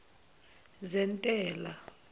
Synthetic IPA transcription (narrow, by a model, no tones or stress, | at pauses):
zɛntʼɛːla